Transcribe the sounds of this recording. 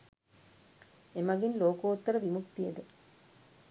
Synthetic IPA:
emaɡinloːkuut̪ːəɾəʋimukt̪ijəd̪ə

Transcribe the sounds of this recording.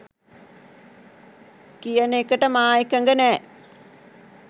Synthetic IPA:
kijɐnekːɐʈːɐmaːjikːɐŋɡɐneː

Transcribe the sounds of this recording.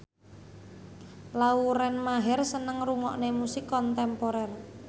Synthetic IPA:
lauɾɛnmaɦɛrsənəŋruŋɔʔnemusikːɔnt̪ɛmpoɾɛr

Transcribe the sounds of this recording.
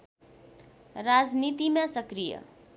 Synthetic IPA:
ɾad͡znit̪imasʌkɾijʌ̰

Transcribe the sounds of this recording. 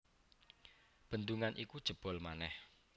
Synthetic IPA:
b̥ə̤nd̪uŋanʔikud̥ʒ̥ə̤b̥ɔ̤lmanɛh

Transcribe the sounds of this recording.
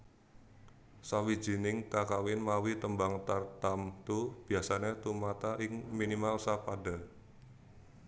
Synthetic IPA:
sawi̥d͡ʒ̥inɪŋkakawɪnmawit̪əmbaŋt̪art̪amt̪ub̥i̤asanet̪umat̪aʔɪŋminimalsapada

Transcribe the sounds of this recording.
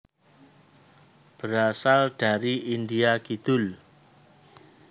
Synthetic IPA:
b̥əɾasald̥a̤ɾiʔindiaɡid̪̥ʊl

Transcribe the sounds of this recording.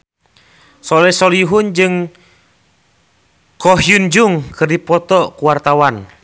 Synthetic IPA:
sɔlɛsɔliɦund͡ʒɨŋ | kɔɦjund͡ʒuŋkɨrdipɔt̪ɔkuwart̪awan

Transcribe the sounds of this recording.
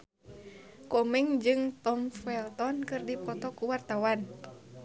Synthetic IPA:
kɔmɛŋd͡ʒɨŋt̪ɔmfɛlt̪ɔnkɨrdipɔt̪ɔkuwart̪awan

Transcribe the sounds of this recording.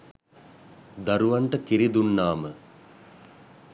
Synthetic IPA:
d̪aɾuʋaɳʈəkiɾid̪unːaːmə

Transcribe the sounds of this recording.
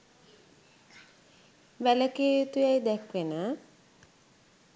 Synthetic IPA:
ʋɛləket̪ujajd̪ɛkwena

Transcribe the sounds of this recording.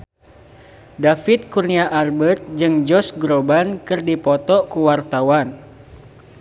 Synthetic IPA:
dafit̪̚kurniaʔarbət̪̚d͡ʒɨŋd͡ʒɔsɡɾobankɨrdipɔt̪ɔkuwart̪awan

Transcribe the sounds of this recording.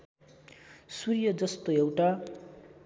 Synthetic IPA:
surjʌd͡zʌst̪oewʈa

